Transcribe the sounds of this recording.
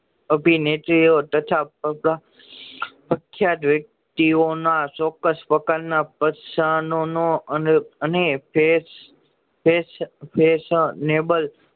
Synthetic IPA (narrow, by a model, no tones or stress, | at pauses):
əbʱinet̪ɾijot̪ət̪ʰapəɾa | pəkʰjat̪ʋjək̚t̪ionat͡ʃɔkːəspəkaɾnapəsanonoənənepes | pespesnebəl